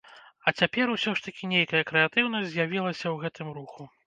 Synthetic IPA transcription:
ɐt͡sʲapʲɛɾusʲɔʂt̪ɐkʲinʲejkɐjɐkɾɛat̪ɨwnɐsʲzʲjavʲilˠɐsʲɐwɣɛt̪ɨmɾuxu

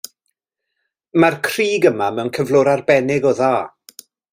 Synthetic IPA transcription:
markʰr̥iːɡəmamɛwnkʰəvlˠʊɾarbɛnɪɡɔðaː

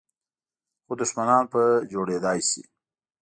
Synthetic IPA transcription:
xod̪ʊʃmanɑːnpəd͡ʒoɽed̪ɑːjsḭ

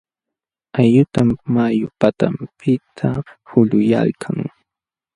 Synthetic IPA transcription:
ajʎʊt̪amːajʊpat̪ampʰɪt̪ʰahʊʎʊja̰lkʰaŋ

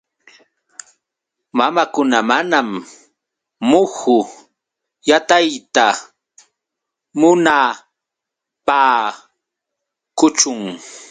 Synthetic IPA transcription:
mamakʊnamanam | ʊxʊ | jat̪ajt̪a | mʊna | paː | kʊt͡ʃʊŋ

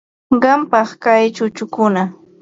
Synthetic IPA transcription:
ɢɑmpɑχkajt͡ʃʊt͡ʃʊkʊna

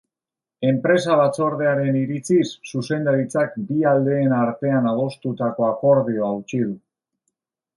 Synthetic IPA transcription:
e̞mpɾe̞saβat͡so̞ɾðe̞aɾe̞niɾit͡sisːuse̞nd̪aɾit͡sakbiald̪e̞ːnaɾt̪e̞anaðo̞st̪ut̪ako̞ako̞ɾðio̞awt͡ʃið̞u

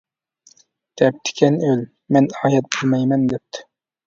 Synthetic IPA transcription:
d̪̥ɛp̚t̪ʰɪ̥kʲʰɛnøl | mɛnɑːjɛt̪̚bolˠmɛjmɛnd̪ɛp̚t̪ʰːɪ̥

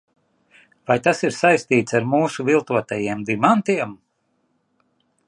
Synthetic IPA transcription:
vajt̪asiɾsajst̪iːt̪saɾmuːsuvilˠt̪uɔt̪ajiɛmd̪imant̪iɛm

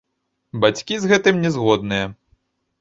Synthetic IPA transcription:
bat͡sʲkʲizɣɛt̪ɨmnʲɛzɣɔd̪̚nɨjɐ

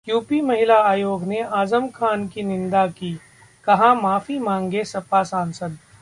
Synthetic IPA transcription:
juːpimɐɦɪlaaːjoːɡneaːzəmkʰaːnkinɪ̃nd̪akiː | kɐɦãmaːfimãːŋɡesɐpasãːnsəd̪

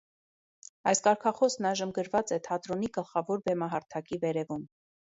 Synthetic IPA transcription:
ɑjskɑɾkʰɑχɔsnɑjʒəmɡəɾvɑt͡sɛt̪ʰɑt̪ɾɔniɡəlχɑvɔɾbɛmɑɦɑɾt̪ʰɑkivɛɾɛvum

